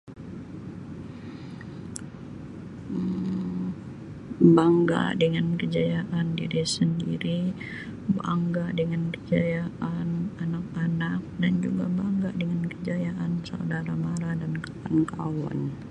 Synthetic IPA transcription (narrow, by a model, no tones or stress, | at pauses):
əm | baŋɡa̰dəŋankəd͡ʒajaʔandḭɾisəndḭɾi | ba̰ŋɡadəŋankəd͡ʒajaananak̚anak̚dand͡ʒuɡabaŋɡaʔdəŋankəd͡ʒajaʔansaudaɾamaɾadankḁpankawɔ̰n